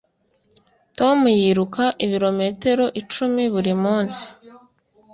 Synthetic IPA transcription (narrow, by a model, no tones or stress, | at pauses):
to̞mujiɾukaʔiβiɾo̞me̞te̞ɾo̞ʔit͡ʃumiβuɾimuːnsi̥